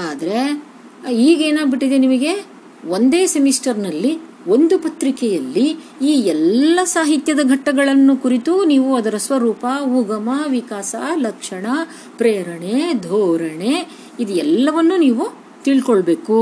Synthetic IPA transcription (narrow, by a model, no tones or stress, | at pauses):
aːd̪ɐɾe̞ | iːɡe̞ːnaːɡbiʈːid̪enimɐɡe̞ | o̞nd̪e̞ːsemisʈɐɾnɐlːi | o̞nd̪upɐt̪ɾikɛjɐlːiiːɛlːɐsaːɦit̪jɐd̪ɐɡʱɐʈːɐɡɐɭɐnːukuɾit̪uniːʋuɐd̪ɐɾɐsʋɐɾuːpɐuɡɐmɐʋikaːsɐlɐkʂɐɳɐ | pɾeːɾɐɳed̪ʱoːɾɐɳe̞ | id̪ɛlːɐʋɐnːuniːʋu | t̪iɭkoɭbe̞ːku